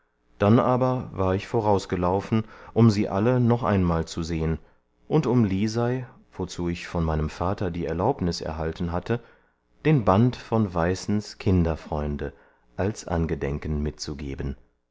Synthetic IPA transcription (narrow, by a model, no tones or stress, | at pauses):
d̥anʔaːbɐvaːɐɪçfoʁaʊsɡ̥əlaʊfn̩ʔʊmziːʔalənɔχʔa̰ɪnmaːlt͡suzeːən | ʔʊntʊmliːzaɪ | v̥ot͡suːɪçfɔnmaɪnəmfaːtɐdiːɛɐlaʊpnɪsɛ̰ɐɦaltn̩ɦatʰə | d̥eːnbantfɔnvaɪsn̩skʰɪndɐfʁ̥ɔʏndə | ʔalsʔa̰nɡədɛŋkən̩mɪt̚t͡suɡḛːbən